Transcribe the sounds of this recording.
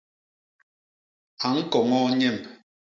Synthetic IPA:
a˨ŋ̩˦kɔ˨ŋɔ˦ɲɛ˦˨m

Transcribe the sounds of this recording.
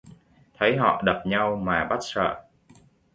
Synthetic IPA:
t̪ʰə˨˦jɦɔ̰˧˨ɗə˨˩p̚ɲa˧wmaː˨˩ɓa˦˥t̚sə̰ː˧˨

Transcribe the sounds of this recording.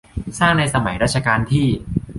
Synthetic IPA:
saː˥˩ŋna˧jsa˧ma˩˦jɾaː˥˩t̪̚t͡ɕʰa˧kaː˧nt̪ʰiː˥˩

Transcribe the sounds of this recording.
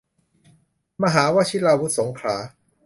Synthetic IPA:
ma˧ɦaː˩˦waː˦˥t͡ɕʰi˦˥laː˧wu˦˥t̪̚so˩˦ŋkʰɾaː˩˦

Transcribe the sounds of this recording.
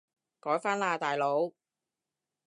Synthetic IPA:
kɔː˨˥jfaː˥nlaː˧t̪aː˨jlo˨˥w

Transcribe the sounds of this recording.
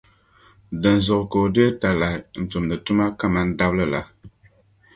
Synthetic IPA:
dɨ˨n˨zɔ˨ʔko˨di˦e˦ta˨la˨n̩˨tu˨mnɨ˨tu˦ma˦ka˦˨ma˦n̩˦da˦blɨ˦la˨

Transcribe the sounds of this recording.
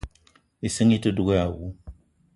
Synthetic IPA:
i˨si˦ŋi˦tɨ˦du˦ɡo˦ja˨wu˦

